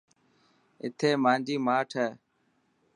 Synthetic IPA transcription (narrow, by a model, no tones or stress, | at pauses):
ɪ̰t̪ʰeːmãːnd͡ʒiːmaːʈʰɛː